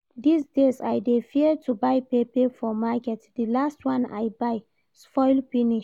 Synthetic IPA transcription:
disdesajdefiətʰubajpepefɔmakɛtdilastwãna̰jbaɪ | spɔɪlpiniʃ

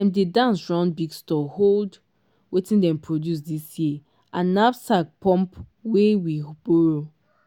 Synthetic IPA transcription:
ɛ̃mdedãnsɹãnbiɡstɔhold | wetĩndɛ̃mpʰɹodjus̬disji | ʔãnːabsak̚pʰɔ̃mpwewib̥ɔɹo

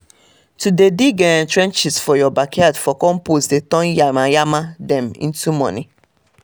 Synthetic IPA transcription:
tudediɡɛntɾɛ̃nt͡ʃɪsfɔjɔbakʰadfɔkɔ̃m̩posdetɔ̃njamajamadɛmḭ̃n̩tumɔ̰̃ni

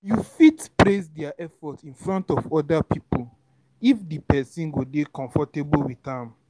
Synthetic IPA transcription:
jufitpɾesdɛaʔɛfɔtĩnfɾɔ̃ntɔvɔdapʰipul | ifdipɛsĩnɡodekɔ̃ɱfɔtebəlwiθãm

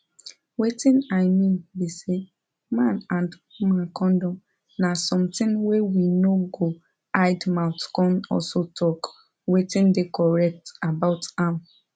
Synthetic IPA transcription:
wetɪnaɪmĩnbise | mãnãnd | mãkʰɔ̃ndɔm | nasɔ̃mtɪ̃ŋwewinoɡo | aɪdmãʊtkɔ̃nɔ̰lsotʰɔk | wetɪ̃ndɪkɔɹɛk̚tabaʊtãm

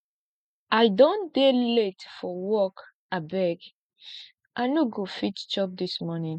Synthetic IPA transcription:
aɪdõndeletfɔwɔk | abɛɡ | ʔanoɡofitt͡ʃɔp̚dismɔnĩn

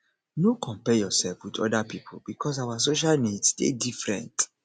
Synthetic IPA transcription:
nokʰɔ̃mpɛjɔsɛlfwidɔ̰dapipʰo̰bikʰɔs̬awasoʃ̬alnidstḛdifɹɛ̰̃nt

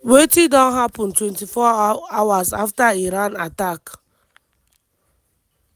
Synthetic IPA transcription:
wetidɔ̃nɦapɔ̃ntwɛ̃ntifɔawasaftaiɾãnatak

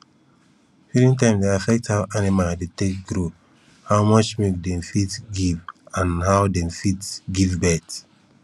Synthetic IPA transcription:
fiɾĩntãɪ̃mdeafɛk̚thawʔanimadetek̚ɡɾo | hawmʌt͡ʃmek̚dɛ̃mfitɡivãnhawdɛ̃mfitɡivbɛt

